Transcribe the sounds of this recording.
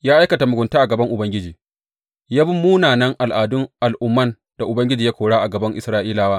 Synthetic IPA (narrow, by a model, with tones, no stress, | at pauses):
jaː˦ʔa˦jkɐ˨ta˨mʊ˨ɡʷʊ˨ntaː˦ʔa˨ɡɐ˨bɐ˦ŋʔʊ˨bɐ˦ŋɡʲɪ˦d͡ʒiː˨ | jaː˦bʊ˦mːuː˦naː˨nɐ˦ŋʔa˨lʔaː˨dʊ˦ŋʔa˨lʔʊ˦mːɐ˦n | d̥a˨ʔʊ˨bɐ˦ŋɡʲɪ˦d͡ʒiː˨jaː˦kʷoː˨ɽaː˦ʔa˨ɡɐ˨bɐ˦ŋʔɪ̰˨sɾaː˦ʔiː˦laː˦waː˦